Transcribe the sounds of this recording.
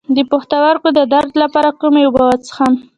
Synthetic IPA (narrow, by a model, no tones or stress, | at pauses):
d̪əpoxt̪awaɾkod̪əd̪aɾd̪lapɑɾakumjawbawat͡sə̥xan